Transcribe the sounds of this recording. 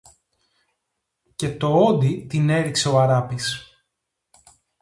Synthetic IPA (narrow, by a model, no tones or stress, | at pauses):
ce̞t̪o̞o̞d̪it̪ine̞ɾikse̞oɐɾɐpis